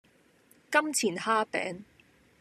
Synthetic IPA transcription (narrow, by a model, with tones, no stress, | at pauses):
kɐ˥mt͡sʰiː˨˩nhaː˥pɛ̰ː˨˥ŋ